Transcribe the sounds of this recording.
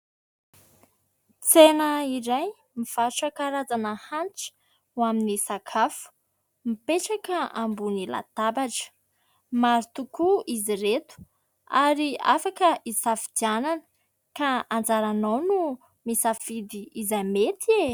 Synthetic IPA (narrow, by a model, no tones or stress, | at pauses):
t͡senəiɾaj | miv̥aʈ͡ʂakaɾad͡zanəhant͡sə̥ | waminisakʰafu̥ | mipeʈ͡ʂakəambunila̰t̪abaʈ͡ʂə̥ | maɾit̪ukuiziret̪u̥ | aɾiafakəʔisafid̪iananə̥ | kaand͡zaɾanawnu | misafid̪iizajmet̪ʰie